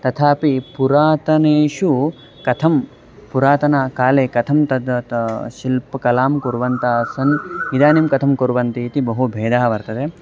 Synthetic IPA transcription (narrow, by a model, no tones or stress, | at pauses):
t̪ɐt̪ʰaːpipuɾaːt̪ɐneːʃu | kɐt̪ʰɐm | puɾaːt̪ɐnaːkaːleːkɐt̪ʰɐmt̪ɐd̪t̪ʃilpɐkɐlaːmkuɾʋɐnt̪aːsɐnid̪aːnimkɐt̪ʰɐmkuɾʋɐnt̪iːt̪ibɐɦubʱeːd̪aːʋɐɾt̪ɐt̪e